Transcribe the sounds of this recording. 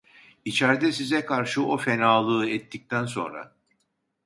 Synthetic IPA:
it͡ʃʰæɾd̪ɛsizɛkʰaɾʃɯo̞fenaːlˠɯːɛt̪ʰːic̚t̪ʰænso̞̰nɾa̰

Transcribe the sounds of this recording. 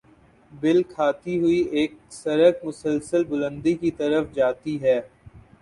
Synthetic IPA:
bɪlkʰaːt̪iɦʊieːk̚sɐɾəkmʊsəlsəlbʊlə̃nd̪ikit̪ɐɾəfd͡ʒaːt̪iɦɛː

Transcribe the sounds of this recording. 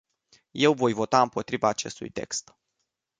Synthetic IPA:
je̞wvo̞jvo̞t̪aɨmpo̞t̪ɾivaːt͡ʃe̞̰st̪ṵjt̪e̞̰kst̪

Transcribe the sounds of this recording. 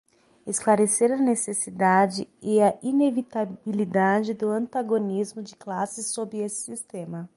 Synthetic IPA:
esklaɾeseɾɐnesesid̪ad͡ʒɪɪɐʔinevit̪abilid̪ad͡ʒɪd̪ʊɐ̃nt̪aɡonizmʊd͡ʒɪklasɪsobɾɪesɪ̥sist̪ẽmɐ

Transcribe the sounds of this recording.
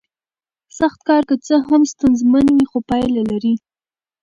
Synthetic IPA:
saxt̪kɑɾkət͡səɦamst̪anzmanwixopɑjlalaɾi

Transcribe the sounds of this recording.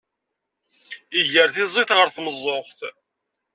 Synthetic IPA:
iʝəɾθizˤiθʁəɾθməzˤːoχθ

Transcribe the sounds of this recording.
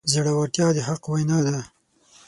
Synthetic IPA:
zaɽawaʈjɑd̪əɦaqwajnɑd̪a

